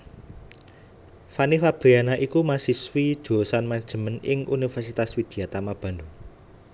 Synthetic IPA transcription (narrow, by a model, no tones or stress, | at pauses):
fanifab̥e̤janaʔikumasiswi̥d̪̥osanmad̥ʒ̥ə̤mənɪŋʔṵnifɛrsit̪aswid̪̥i̤at̪amab̥a̤ndu